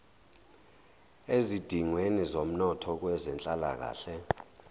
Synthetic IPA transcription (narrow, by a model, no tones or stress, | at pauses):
ezid̥ʱiŋwenizom̩nɔtʰɔk̬wɛzɛnt͡ɬʼala̰k̬a̰ːɬɛ